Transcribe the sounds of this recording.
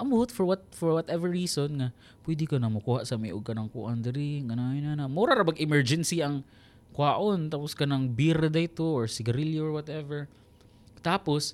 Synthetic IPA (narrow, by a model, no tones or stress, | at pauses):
ʔambʊhʊt̪fɔɹwat̪̚fɔɹwɔt̪ɛvɛɹːiːsonŋa | pwɛd̪ɪkanaŋmʊkuːhaʔsamɪʔʊɡ̚kɐnaŋkʊʔand̪ɪɾɪŋanaɪnanamuɾaɾamɐɡɪmɛɹd͡ʒɛnsiaŋ | kwaːʔont̪apʊskanaŋbiɾad̪ajt̪oʔɔɹsɪɡɐɾɪljoɔɹwat̪ɛvɛɹ | t̪aːpos